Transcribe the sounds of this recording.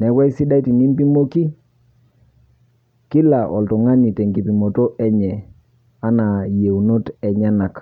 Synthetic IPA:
nɛ˨˦kwa˦i˦si˦da˦i˦ti˨ni˦mpi˦mo˦ki˦ | ki˦la˨ʔɔ̰˨ltɔ˨ŋa˦ɲi˨tɛ˨ŋɡi˨pi˨mo˨to˦ʔɛ˦ɲɛ˨ | a˦na˨je˨u˨no˦tɛ˨ɲa˦na˨k

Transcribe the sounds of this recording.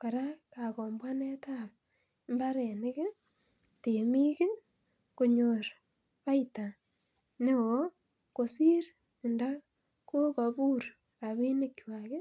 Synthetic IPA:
ka˨ɾakakɔ˨mbwa˦ne˦tap̚ | mba˦ɾe˨nɪ˦kɪ˦ | te˨mi˦kɪ˦ | ko˨ɲoɾ | pa˦ita˨ | ne˦wo˦ | ko˨si˦ɾ | ɪ˨nda˦ | ko˦kɔ˨bu˦ɾ | a˨βi˦nɪ˦kːwa˨kɪ˦

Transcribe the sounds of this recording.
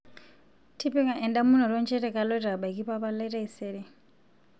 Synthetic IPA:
tʰi˦pi˦ŋa˨ʔɛ˨nda˦mu˦n̤ɔ˨ɾɔ˦nt͡ʃʰɛ˦ɾɛ˨ka˨lɔ˦ɾa˨ɓa˨i˨ki˦pa˦pa˦lɛ˦ɾɛ˦˨sɛ˦ɾi˨

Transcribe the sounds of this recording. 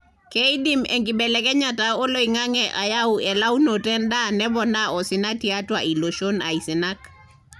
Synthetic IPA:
kɛi˦di˦mɛ̰˨ŋkɪ˨bɛ˨lɛkɛ˦ɲatao˦lo˦iŋa˦ŋɛʔa˨ja˦wɛ˨la˦u˦no˨tɛ˦nda˦nɛ˦bɔ˨na˦ɔ˨sɪ˨na˦tia˦twa˨i˨lo˨ʃo˦na˨i˨sɪ˨na˦k

